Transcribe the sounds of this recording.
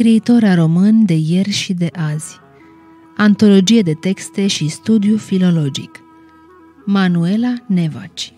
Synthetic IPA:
skɾiːt̪o̞ɾaɾo̞mɨnd̪e̞je̞rʲʃid̪e̞ʔaz̥ʲ | ant̪o̞lo̞d͡ʒied̪e̞t̪e̞kst̪e̞ʃist̪ud̪jufilo̞lo̞d͡ʒḭk | manue̞lane̞va̰t͡ʃʲ

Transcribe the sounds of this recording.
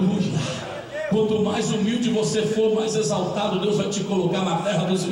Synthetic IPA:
mua | kwɐ̃nt̪ʊmajzumiwd͡ʒɪvosefoɾmajzezawt̪ad̪ʊd̪ewzvajt͡ʃɪkolokaɾnɐfɛɦɐd̪ʊzi

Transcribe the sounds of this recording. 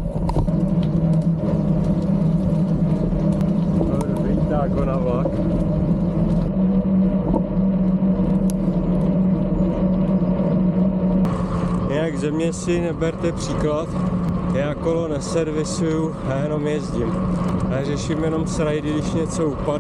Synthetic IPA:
t̪o | vit̪aːɡonavak | jɪnaɡzɛmɲɛsɪnɛbɛɾt̪ɛpr̝̥iːklat̪jaːkolonɛsɛɾvɪsujuɦɛjɛnomjɛzɟɪmarɛʃimjɛno̞msɾajdɪɡdɪʃɲɛt͡so̞upad

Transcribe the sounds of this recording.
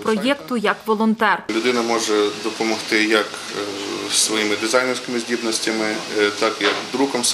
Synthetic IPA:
pɾɔjɛkt̪ʊjɐkʋɔlˠɔnt̪ɛrlʲʊd̪ɪnɐmɔʒɛd̪ɔpɔmɔht̪ɪjɐk | sʋɔjimɪd̪ɪzajnɛrsʲkʲɪmɪzʲdʲibnɔsʲtʲɐmɪt̪ɑkjɐkd̪ɾukɔms

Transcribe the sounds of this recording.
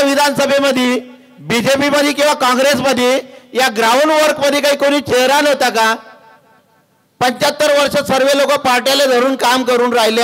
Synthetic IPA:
ʋid̪ʱansəbʱeməd̪ʱi | bid͡ʑepiməd̪ʱiːkĩw̃ʋakɔ̃ŋɡɾesməd̪ʱijaɡɾawnʋəɾkməd̪ʱiːkaɦiːkoɽiːt͡ɕeɦɾanɦot̪aka | pəɲt͡ɕat̪ːəɾʋəɾʂəsəɾʋelokəpaɾʈjaled̪ʱəɾuːnkamkəɾuːnɾaɦile

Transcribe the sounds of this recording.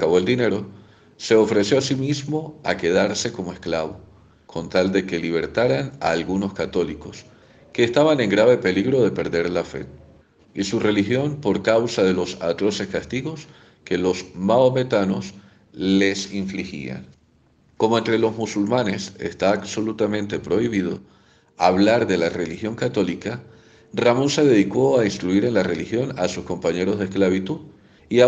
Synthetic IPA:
kaβoeld̪ine̞ɾo̞ | se̞o̞fɾe̞sjo̞asimizmo̞a̰ke̞ð̞aɾse̞ko̞moe̞sklaβo̞ | kʰo̞nt̪ald̪e̞ke̞liβ̞e̞ɾt̪aɾana̰ːlɣuno̞skat̪o̞liko̞s | ke̞ːst̪aβane̞ŋɡɾaβe̞pe̞liɣɾo̞ðe̞pe̞ɾðe̞ɾlafe̞̰ | isure̞lixjo̞mpo̞ɾkawsaðe̞lo̞sat̪ɾo̞se̞skast̪iɣo̞s | ke̞lo̞smaome̞t̪ano̞s | le̞siɱflixḭa̰ŋ | ko̞moent̪ɾe̞lo̞zmusulmane̞se̞̰st̪aːβso̞lut̪amẽ̞nt̪e̞pɾo̞iβ̞iðo̞̰ | aβlaɾðe̞lare̞lixjo̞ŋkat̪o̞lika | ramo̞nse̞ðe̞ðiko̞ainst̪ɾuiɾe̞nlare̞lixjo̞nasusko̞mpaɲe̞ɾo̞zðesklaβ̞it̪uð | ia

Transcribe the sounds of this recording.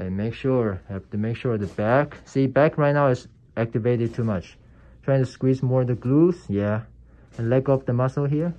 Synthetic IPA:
ameɪkʃʊɹhæftɨmeɪkʃʊɹðɨbæksibækʰɹaɪtnaʊɨz | ʔæk̚tɨveɪɾɨd̚tʰumʌt͡ʃ | tʰɹ̥aɪɪ̃ŋtuskwizmɔɹðəɡluzjæ | ɛ̃nlɛkʌp̚ðəmʌsl̩ˠɦiɹ

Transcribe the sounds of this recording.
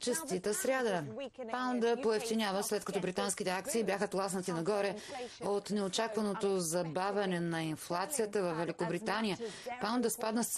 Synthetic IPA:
t͡ʃɛst̪it̪əsɾʲad̪əpand̪əpoɛft̪inʲjavəslɛt̪kɐt̪ɔbɾit̪anskit̪ɛakt̪siːbjaxət̪lˠasnət̪inɐɡɔɾɛot̪nɛot͡ʃakvɐnot̪ozɐbavʲɐnɛnɐinflˠat̪sijət̪əvɐfːɛlikobɾit̪anijəpand̪əspad̪nəs

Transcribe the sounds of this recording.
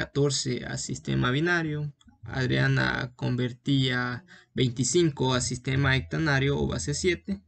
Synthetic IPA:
kat̪oɾsea̰sist̪ḛmaβinaɾjoa̰ðɾeana̰kombeɾt̪iabejnt̪isiŋkoasist̪emaek̚t̪anaɾjoo̰βa̰sesjet̪e

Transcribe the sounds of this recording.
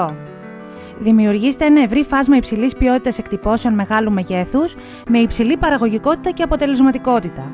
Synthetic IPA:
ðimiuɾʝiset̪e̞enɐe̞vɾifɐzmɐipsilispio̞t̪it̪ɐse̞kt̪ipo̞se̞o̞nme̞ɣɐlume̞ʝe̞θus | me̞ipsilipɐɾɐɣo̞ʝiko̞t̪i̥t̪ɐce̞ɐpot̪e̞le̞zmɐt̪iko̞t̪it̪ɐ

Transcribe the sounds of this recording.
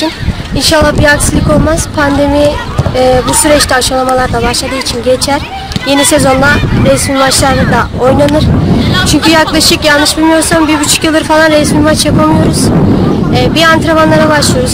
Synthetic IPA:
in | inʃalˠːahbiɾaksɯlˠɯko̞lˠmaz̥pʰand̪e̞miː | busyɾɛt͡ʃt̪ʰɛaʃalˠamalˠaɾd̪ˠabaʃlˠad̪ɯːit͡ʃʰinɟet͡ʃʰæɾ̥ | je̞nisezo̞nd̪aɾɛsmimat͡ʃlˠaɾɯd̪ao̞jnanɯɾ̥t͡ʃʰyɲcyjaklˠaʃɯkjalˠnɯʃbilʲmijo̞ɾsambiɾbyt͡ʃʰy̥cjɯlˠd̪ɯɾfalˠanɾɛsmimat͡ʃjapʰamɯjo̞ɾuz̥ɛːbiant̪ʰɾavanlˠaɾabaʃlˠɯjo̞ɾuz

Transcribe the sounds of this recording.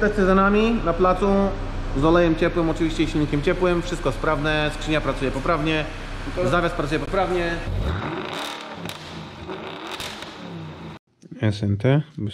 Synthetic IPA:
d̪ɛst̪ɛzanamʲinaplat̪su | zɔlɛjɛmt͡ɕɛpwɘmɔt͡ʂɨvʲiɕt͡ɕɛjɕilɲikʲɛmt͡ɕɛpwɘmfʂɘst̪kɔtspɾavnɛst͡ʂɘɲapɾat̪sujɛpɔpɾavɲɛ | zavʲjaspɾat̪ujɛpɔpɾavɲɛ | ɛsɛnt̪ɛ

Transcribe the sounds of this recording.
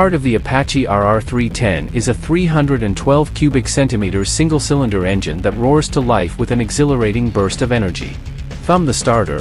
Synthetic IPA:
ɑɹɾʌvðiɨpʰæt͡ʃiʔɑɹɑɹθɹitʰɛ̰̃nɪzɨθɹiɦʌ̃ndɹɨɾɨ̃ntʰw̥ɛlˠv̥kʰj̥ʉbɨksɛ̃ntɨmiɾə˞z̥sɪ̃ŋɡl̩ˠsɪlˠə̃ndə˞ɛ̃nd͡ʒɨ̰̃nðɨt̚ɹɔɹz̥tʰəlaɪfwɨðɨ̃nɨɡzɪlˠə˞eɪɾɪ̃ŋbɜ˞stʌvɛnə˞d͡ʒḭ | fɹʌ̃mðɨstɑɹɾə̰˞

